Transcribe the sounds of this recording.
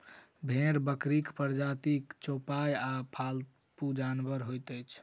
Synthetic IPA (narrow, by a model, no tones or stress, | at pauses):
bʱeɾbəkɾikpəɾd͡ʒat̪ikt͡ʃopajapʰal | pud͡ʒanbəɾɦojt̪əjt͡ʃʰ